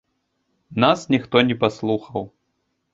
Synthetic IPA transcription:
nasnʲixt̪ɔnʲɛpaslˠuxɐw

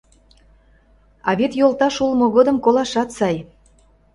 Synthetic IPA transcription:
ɑβet̪jolt̪ɑʃulmoɣod̪ə̆mkolɑʃɑt̪sɑj

